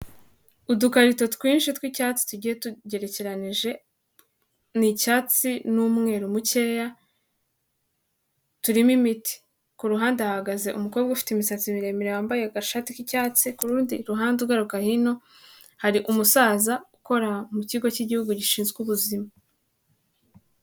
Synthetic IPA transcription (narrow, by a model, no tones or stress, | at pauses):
udukaɾito̞twiːnʃitwicaːt͡si̥tuɟijetuɟe̞ɾe̞ce̞ɾaniʒe̞ | nicaːt͡sinumŋe̞ɾumuce̞ja | tuɾimimiti̥ | kuɾuɦaːndeahaɡaze̞ʔumuko̞bɡaufi̥timisat͡simiɾe̞meɾewaːmbajeaɡaʃatikicaːt͡sikuɾuːndiɾuɦaːndeɾɡaɾukahino̞ | haɾiʔumusaːzauko̞ɾamuciːɡo̞ciɟihuɡuɟiʃiːnzɡuβuzima